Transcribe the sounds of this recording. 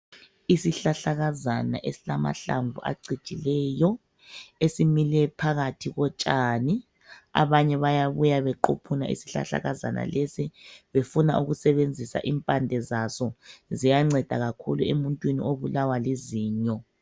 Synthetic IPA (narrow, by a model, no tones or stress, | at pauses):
isiɬaɬaɣazana̰ʔesilama̰ɬa̰ɱvṵʔa̰ǀi̥t͡ʃʼilɛːjɔ | esimilɛpʰaɣatʰiɣɔt͡ʃʼaːni | a̰βaɲɛβajaβujaβɛǃopʰuna̰ʔḭsi̥ɬa̰ɬa̰ɣaza̰na̰lesiβefunaʔuɣusɛβend͡zʱisa̰ʔimpʼandʱɛzasɔzijaŋ͡ǀɛd̥ʱaɣakʰṵluemuntʼwinioβulawaleziːɲɔ